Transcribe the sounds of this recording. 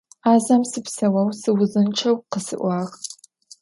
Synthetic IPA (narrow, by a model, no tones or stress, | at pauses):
aːzɐmsɨpsɐwɐwsɨwʊzɨnʈ͡ʂʰɐwqəsɨ̰ʔʷɑːʁ